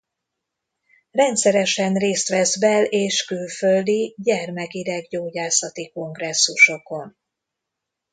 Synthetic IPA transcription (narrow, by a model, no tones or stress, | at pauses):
rɛnt̪sɛɾɛʃɛnreːst̪ʋɛzbɛleːʃkylføld̪iɟɛrmɛkiɾɛɡɟoːɟaːsɒt̪iko̞ŋɡrɛsːuʃo̞ko̞n